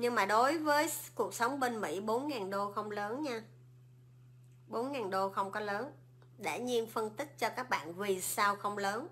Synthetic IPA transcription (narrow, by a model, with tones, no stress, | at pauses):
ɲɨ˧ŋmaː˨˩ɗo˨˦jvəː˨˦jku˨˩ək̚sə˨˦wŋ͡mɓe˧nmḭ˧˥ɓo˨˦nŋaː˨˩nɗo˧xə˧wŋ͡mləː˨˦nɲaː˧ | ɓo˨˦nŋaː˨˩nɗo˧xə˧wŋ͡mkɔ˨˦ləː˨˦n | ɗḛ˧˩ɲi˧ənfə˧nt̪ï˦˥k̚t͡ɕɔ˧kaː˦˥k̚ɓa̰ː˧˨nvi˨˩saː˧wxə˧wŋ͡mləː˨˦n